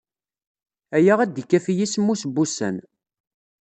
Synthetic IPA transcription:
æjaʁæd̪ikːæfjismːusbːusæ̰n

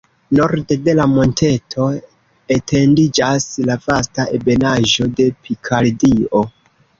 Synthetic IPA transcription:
no̞ɾde̞de̞lamo̞nte̞tʰo̞ | etʰe̞ndid͡ʒaslafastaʔebe̞naʒo̞de̞pʰikʰaldio̞

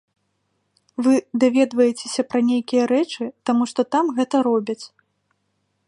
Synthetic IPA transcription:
vɨd̪avʲɛd̪vɐjɛt͡sʲe̥sʲɐpɾɐnʲejkʲijɐɾɛt͡ʂɨt̪amuʂt̪ɔt̪amɣɛt̪ɐɾɔbʲɐt͡sʲ

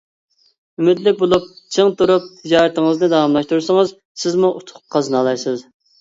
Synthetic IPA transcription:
ymɪt̪lɪk̚ʲbolˠup̚t͡ʃʰəŋt̪uɾup̚jɑɾt̪əŋəznɨd̪ɑwɑmlˠɑʃt̪uɾsəŋəz | sɪzmuʔut̪ʰʊ̥qqʰɑznɑlˠɑjsɨz

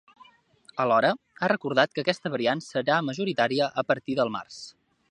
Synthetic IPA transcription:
əlɔɾə | arəkuɾðat̪̚kəkɛst̪əβəɾiansəɾaməʒuɾit̪aɾiəʔəpəɾt̪iðəlˠma̰rs

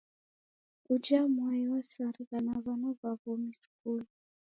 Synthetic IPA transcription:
ud͡ʒamwaiwɔsaɾikanaβanɔβaβɔmiskuli

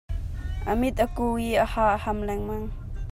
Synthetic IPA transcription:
ʔəmɪt̪̚ʔəkuːiʔəhaːʔəhɐmlɛŋmɐŋ

